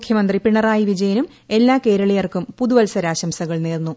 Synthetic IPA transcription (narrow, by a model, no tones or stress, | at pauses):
mukʰjɐmɐnd̪ripiɳɐraːjiʋid͡ʑɐjɐnum | e̞lːaːke̞ːɾɐɭɐjɐrkumpuðuʋɐlsɐɾaːɕɐmsɐɣɐɭneːrnːu